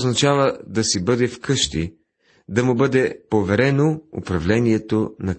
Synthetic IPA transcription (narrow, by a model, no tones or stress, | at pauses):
znɐt͡ʃavəd̪ɐsibɤd̪ɛfkɤʃt̪i | d̪ɐmʊbɤd̪ɛpovɛɾɛnoʊ̰pɾɐvlɛniɛt̪onɐ